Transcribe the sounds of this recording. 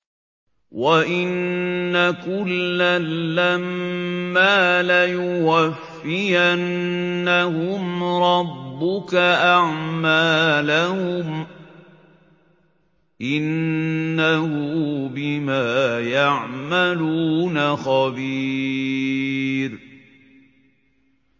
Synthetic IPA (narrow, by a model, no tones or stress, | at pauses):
waʔɪnːakʊlːalːamː | aːlajʊwafːɪjanːahʊmɾˤɑbːʊkaʔaʕmaːlahʊm | ʔɪnː | ahʊbɪmaːjaʕmaluːnaxɑbi | ɾ